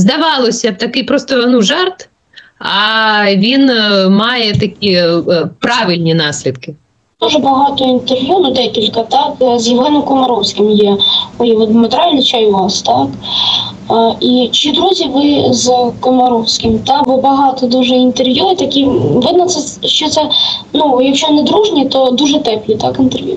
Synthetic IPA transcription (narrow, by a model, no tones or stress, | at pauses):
zd̪ɐʋɑlˠɔsʲɐt̪ɐkɪjpɾɔst̪ɔnuʒɑrt̪ | ɐʋʲinmɑjɛt̪ɐkʲipɾɑʋɪlʲnʲinɑsʲlʲid̪kɪ | d̪̥uʒɛbɐɦɑt̪ɔint̪erʋjunʊd̪ɛkʲilʲkɐt̪ɑkzjiʋlˠɛnɔmkɔmɐɾɔwsʲkʲɪmjɛɔjiʋɔd̪mɔt̪ɾɑlʲnʲit͡ʃajʋɑst̪ɑk | it͡ʃɪd̪ɾuzʲiʋɪzkɔmɐɾɔwsʲkʲɪmt̪ɑkbɔbɐɦɑt̪ɔd̪uʒɛint̪erʋjut̪ɐkʲiʋɪd̪nɐt̪sɛ | ʃt͡ʃɔt̪sɛnujɐkʃɔnɪd̪ɾuʒnʲit̪ɔd̪uʒɛt̪ɛplʲit̪ɑkɪnt̪erʋʲjṵ